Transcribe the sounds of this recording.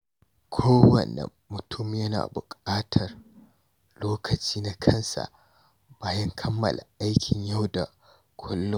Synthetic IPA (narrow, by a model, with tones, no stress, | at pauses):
kʷʰoː˦wɐ̰˨nɐ̰˨mːʊ˨tʰʊ˦m˨˦jɐ˦na̰ː˨bʊ˨kʼaː˦tʰɐ˨r | loː˦kʰɐ˨t͡ʃiː˦na˦kʰɐ˦nsa̰˨ʔ | b̥aː˦jɐ˦ŋkʰɐ˦mːɐ̰˨lʔa̰˨ʔa˦jkʲɪ˨ɲja˦wda˨ | kʷʰʊ˦lːʊ˦